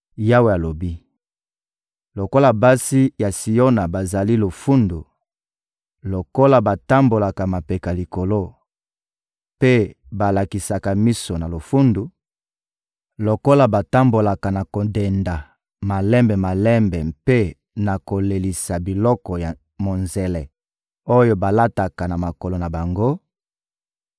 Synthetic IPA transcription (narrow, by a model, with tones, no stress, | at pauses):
ja˦we˨a˨lo˨bi˦ | lo˨ko˦la˨ba˦si˦ja˨si˨jo˦na˨ba˨za˨li˦lo˨fu˦ndu˨ | lo˨ko˦la˨ba˨ta˦mbo˨la˨ka˨ma˨pe˨ka˨li˨ko˨lo˦ | pe˦ | ba˨la˨ki˨sa˨ka˨mi˦so˨na˨lo˨fu˦ndu˨ | lo˨ko˦la˨ba˨ta˦mbo˨la˨ka˨na˨ko˨de˨nda˨ | ma˨lɛ˦mbɛ˨ma˨lɛ˦mbɛ˨pe˦ | na˨ko˨le˨li˨sa˨bi˨lɔ˦kɔ˨ja˨ | mo˨nze˨lɛ˨ | o˦jo˦ba˨la˦ta˨ka˨na˨ma˨ko˨lo˨na˨ba˨ŋɡo˦